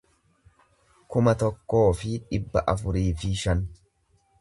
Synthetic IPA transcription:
kʊmɐt̪ɔkːo̞ːfɪᶑɪbːɐʔɐfʊɾiːfɪʃɐn

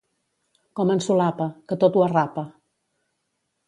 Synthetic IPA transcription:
kɔmənsulapəkət̪ot̪uərapə

